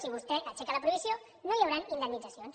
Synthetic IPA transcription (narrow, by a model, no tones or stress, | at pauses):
siβ̞ust̪ɛʔət͡ʃɛkələpɾuβizjo | nojawɾanind̪ənːidd͡zasions